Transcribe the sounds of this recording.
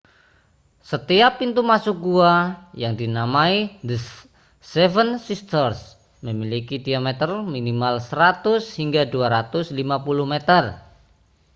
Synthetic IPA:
sət̪iapːint̪umasuk̚ɡuajaŋdinamaid̪ə | sɛvənsist̪ərs | məmilikidiamɛt̪ərminimalsəɾat̪ʊshiŋɡaduaɾat̪ʊslimapuluhmet̪ər

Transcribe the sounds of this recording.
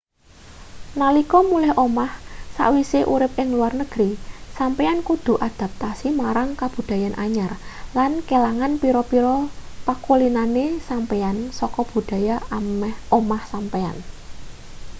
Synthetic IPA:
nalikɔmulɛhʔomahsa̰ʔwiseʔuɾɪp̚ɪŋluarnəɡ̥ɾisampeankud̪̥ṳʔad̪̥a̤p̚t̪asimaɾaŋkab̥ṳd̪̥a̤janʔaɲarlankelaŋanpiɾɔpiɾɔpakulinanesampeansɔkɔb̥ṳd̥a̤jaamɛhomahsampea̰n

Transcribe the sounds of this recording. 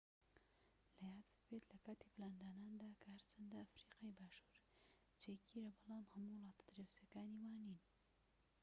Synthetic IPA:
lɐjaːd̪ɨ̥t̪bet̪lɐkaːt̪iːplaːnd̪aːnaːnd̪aːkʰɐhɐɾt͡ʃʰɐnd̪aɐfɾiːqɑːjbaːʃuːɾ | t͡ʃeːkiːɾɐbɐlˠɑːmhɐmuwlˠɑːt̪ḁd̪ɾewsjɐkaːniːwaːniːn

